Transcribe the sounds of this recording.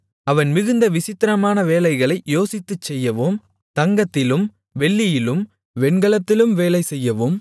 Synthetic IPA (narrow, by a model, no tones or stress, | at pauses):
ɐʋɐnmɪɣɯnd̪ɐʋɪsɪt̪ːɪɾɐmaːnɐʋeːlɐɪɣɐɭɐɪjoːsɪt̪ːɯt͡ʃːɛjːɐʋom | t̪ɐŋɡɐt̪ːɪlɯm | ʋɛɭːɪjɪlɯm | ʋɛɳɡɐɭɐt̪ːɪlɯmʋeːlɐɪsɛjːɐʋɯm